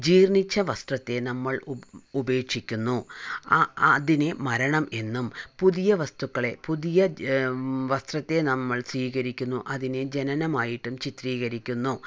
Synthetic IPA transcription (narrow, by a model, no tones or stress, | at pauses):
d͡ʑiːrɳit͡ɕːɐʋɐst̪rɐt̪ːe̞nɐmːɐɭube̞ːkʂikʲːunːu | ðine̞mɐɾɐɳɐme̞nːumpuðijɐʋɐst̪ukːɐɭe̞puðijɐ | ʋɐst̪rɐt̪ːe̞nɐmːɐɭsʋiːɣɐɾikʲːunːuʔɐðine̞d͡ʑe̞nɐnɐmaːjiʈːumt͡ɕit̪riːɣɐɾikʲːunːu